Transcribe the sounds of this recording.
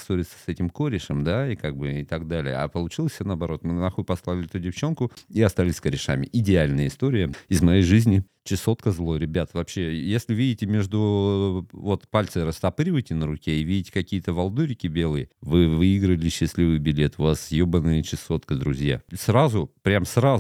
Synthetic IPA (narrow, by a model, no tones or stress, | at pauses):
soɾʲɪt̪sə̥sɛtʲɪmkoɾʲɪʂəmd̪aikaɡ̚bɨɪt̪ɐɡd̪alʲɪ̰jə̰a̰pəlˠʊt͡ɕilˠəsʲnəɐbɐɾo̞t̪mɨnnˠɐxujpɐslˠavlʲɪɛt̪ʊdʲɪft͡ɕo̞nkʊiɐst̪alʲɪsʲkəɾʲɪʂa̰mʲɪ̰ʔɪdʲɪalʲnəjəɪst̪o̞ɾʲɪjəɪzmɐjejʐɨzʲnʲɪ | t͡ɕɪso̞t̪kəzlˠo̞ɾʲɪbʲat̪vɐpɕːejesʲlʲɪvʲidʲɪtʲɪmʲeʐd̪ʊ | vo̞t̪palʲt̪sɨɾəst̪ɐpɨɾʲɪvəjtʲɪnəɾʊkʲeɪvʲidʲɪtʲɪ̥kɐkʲijət̪əvɐlˠd̪uɾʲɪkʲɪbʲe̞lˠɨjəvɨvɨɪɡɾəlʲɪɕːɪsʲlʲivɨjbʲɪlʲe̞t̪ʊvasːʲjobənːɨjət͡ɕɪso̞t̪kəd̪ɾʊzʲja̰srazʊpɾʲamsra